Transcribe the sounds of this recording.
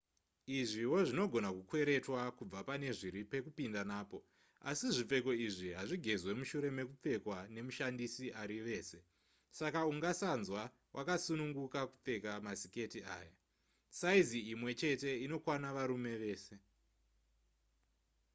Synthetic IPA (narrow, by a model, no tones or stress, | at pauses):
iʐiwo̞ʐino̞ɡʱo̞nakukwe̞ɾe̞twakub͡vapane̞ʐiɾipe̞kupindanaːpo̞ | asiʐip͡fe̞ko̞iʐiɦaʐiɡʱe̞zwe̞muʃuɾe̞me̞kup͡fe̞kwane̞muʃandisiʔaɾiʋe̞ːse | sakauŋɡasanzwa | wʔakasunuŋɡukakup͡fe̞kamasike̞tia̰ːja | saiziimwe̞t͡ʃe̞te̞ino̞kwanaʋaɾume̞ʋe̞ːse̞